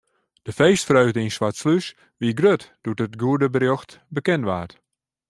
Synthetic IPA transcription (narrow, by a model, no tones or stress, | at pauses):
d̥əfejstfrœɥdəinswatslys | ʋiɡrøtd̥utətɡuədəbərjoxt | bəkɛnʋaːrt